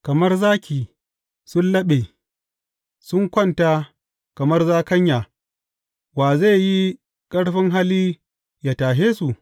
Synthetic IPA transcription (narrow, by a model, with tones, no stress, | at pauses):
kɐ˨mɐ˦rzaː˦kʲiː˨ | sʊ˦nlɐ˦ɓeː˨ | sʊ˦ŋkʷɔ˦˨nta˦ | kɐ˨mɐ˦rzaː˦kɐ˦ɲjaː˨ | waː˨za˦˨jji˦ | kʼɐ˦ɽɸɪ˦ŋɦa˦liː˦ | jaː˨taː˨ɦeː˦su˨